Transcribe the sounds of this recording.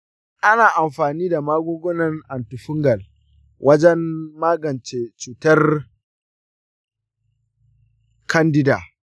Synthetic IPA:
ʔa˦naː˨ʔa˨mɸaː˨niː˦da˨maː˦ɡʷoː˦ɡʷɔ˦nɐ˨ŋʔa˨ntu˨ɸʊ˦ŋɡɐ˨l | wʔɐ˦d͡ʒɛ˦mːaː˦ɡɐ˨nt͡ʃe˨t͡ʃuː˨tɐ˦r | kʰɐ˦ndɪ˦da̰ː˨

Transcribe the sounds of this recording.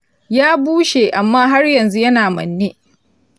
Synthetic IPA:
jaː˦buː˦ʃeː˨ʔa˨mːaː˦ɦa˦rjɐ˨nzu˦jɐ˦naː˨mɐ̰˨nːeː˦

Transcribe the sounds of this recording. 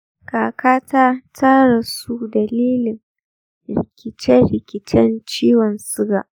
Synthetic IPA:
kaː˨kʰaː˦taː˦tʰaː˦ɽa˨su˦dɐ˨liː˦lɪ˨ŋ | ɾɪ˨kʲɪ˨t͡ʃɛ˦ɾɪ˨kʲɪ˨t͡ʃɛ˦nt͡ʃiː˦wɔ˨nsʊ˦ɡaː˨ʔ

